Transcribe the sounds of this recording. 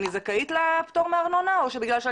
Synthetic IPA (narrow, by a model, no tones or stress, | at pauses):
nizakait̪lapt̪oʁmeaʁnonaoʃebiɡlalʃea